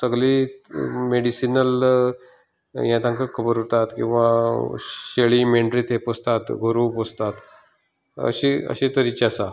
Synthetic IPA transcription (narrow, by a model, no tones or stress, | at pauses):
səɡli | meɽisinəl | jãt̪ãŋkəkʰəbəɾɦot̪at̪kĩw̃ʋa | ɕeɭiːmeɳʈɾiːt̪epost̪at̪ɡʱoɾuːpost̪at̪ | ə̰ɕiə̰ɕĩt̪əɾit͡ɕasa